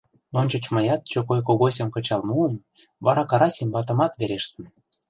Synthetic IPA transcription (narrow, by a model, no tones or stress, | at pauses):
onʲt͡ɕɤ̆t͡ɕmɤjɑt̪̚t͡ɕokojk̬oɣosʲɤ̆mkɤ̆t͡ɕɑlmuəm | βɑɾɑkɑɾɑsʲemʲbɑt̪̬ɤ̆mɑt̪βeɾeʃt̪ə̆n